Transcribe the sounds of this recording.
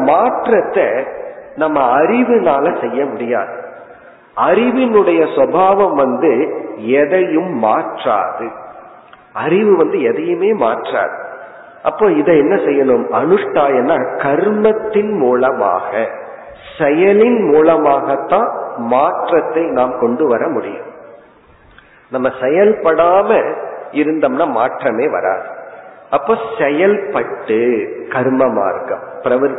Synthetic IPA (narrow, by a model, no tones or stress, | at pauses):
maːʈrɐt̪ːɐnɐmːɐɐɾɪʋɯnaːlɐsɛjːɐmʊɽɪja̰ːðɯ | ɐɾɪʋɪnɯɽɐjɐswɐbʱaːʋɐmʋɐnd̪ɯɛðɐjɯmːa̰ːʈra̰ːðɯ | ɐɾɪʋɯʋɐnd̪ɯɛðɐjɯmeːma̰ːʈra̰ːðɯ | ʔɐpːoːɪðɐɛnːɐsɛjːɐnɯmɐnɯʂʈːaːɛnːaːkɐɾmɐt̪ːɪnmuːlɐma̰ːɣɐ | sɛjɐlɪnmuːlɐmaːɣɐt̪ːãːmaːʈrɐt̪ːɐɪnaːmkɔɳɖɯʋɐɾɐmʊɽɪ̰jɯ̰m | nɐmːɐsɛjɐlpɐɽaːmɐɪɾɯnd̪ɐmnaːmaːʈrɐmeːʋɐ̰ɾa̰ːðɯʔɐpːoːsɛjɐlpɐʈːɯkɐɾmɐma̰ːɾkɐ̰mpɪɾɐʋɐɾ